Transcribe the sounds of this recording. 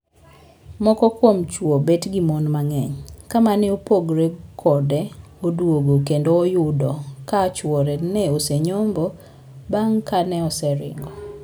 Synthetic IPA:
mɔkɔkwomt͡ʃwobetɡimonmaŋɛɲkamanɛopoɡɾekʰɔdɛ | odwoɡokendoːjʊdɔkat͡ʃwɔɾɛnɛoseɲombɔ | baŋkanɛɔsɛɾɪ̰ŋɡɔ

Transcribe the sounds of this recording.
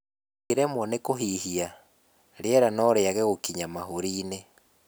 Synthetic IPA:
keɾɛmwɔnekoɦihia | ɾeɛɾanɔɾeaɣeɣokiɲamaɦoɾiːne

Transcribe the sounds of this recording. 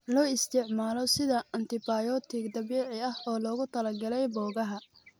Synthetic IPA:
lɔːɪst̪ʰɪʕmaːlɔsɪðɐɐnt̪ʰɪbaːjɔt̪ʰɪɡd̪ɐβiːʕɪɐhɔːlɔːɣʊt̪ʰɐlɐɡɐlɛjbɔːɣɐɦɐ

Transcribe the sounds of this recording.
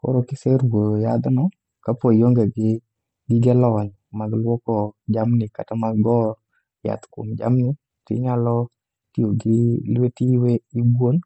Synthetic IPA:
ko̰ɾokɪsɛɾwojad̪nɔ | kapojoŋɡeɡɪ | ɡɪɡɛlɔɲ | maɡlwɔkɔd͡ʒamnɪkatamaɡɔ | ja̰t̪kʊ̰md͡ʒa̰mnɪ | tɪ̰ɲalɔ | tioɡɪlwetiweibon

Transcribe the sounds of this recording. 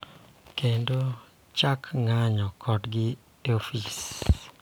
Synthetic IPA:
kendo | t͡ʃakŋaɲɔkʰɔdɡɪ | ofis

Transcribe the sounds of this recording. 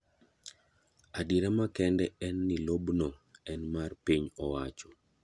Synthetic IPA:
adiɾamakɛndɛɛnːilobnɔɛnmarpiɲɔwat͡ʃɔ

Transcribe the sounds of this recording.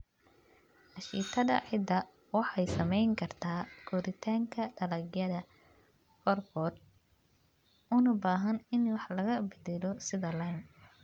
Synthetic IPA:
ʔɐʃiːt̪ʰɐðɐ̰ʕɪd̪ɐ | wɑħɑjsɐmɛjŋkʰɐrt̪ʰaːkʰɔðɪt̪ʰaːŋkʰɐɖɐlɐɡjɐðɐ | kʰɔrkɔːr | ʊnʊbaːɦɐnɪnwɑħlɐɣɐbɪðɪlɔsɪðɐlɐn

